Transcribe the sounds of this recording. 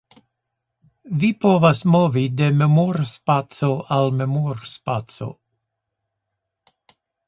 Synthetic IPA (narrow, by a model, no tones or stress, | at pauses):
vipovasmovide̞memoɾspat͡soalme̞moɾspat͡so̰